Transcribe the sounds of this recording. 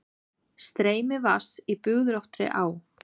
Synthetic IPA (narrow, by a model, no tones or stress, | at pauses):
st̪ɾeːjmɪvasipʏɣðɾowht̪ɾɪ̰ʔaːw